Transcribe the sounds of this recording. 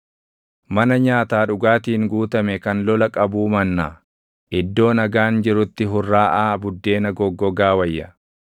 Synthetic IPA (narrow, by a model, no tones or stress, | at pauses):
mɐnɐɲaːt̪aːᶑʊɡaːt̪iːŋɡuːt̪ɐmɛkɐnlɔlɐkʼɐbuːmɐnːaː | ʔɪd̪ːo̞ːnɐɡaːnd͡ʒɪɾʊt̪ːɪɦʊrːaːʔaːbʊd̪ːe̞ːnɐɡɔɡːɔɡaːwɐjːɐ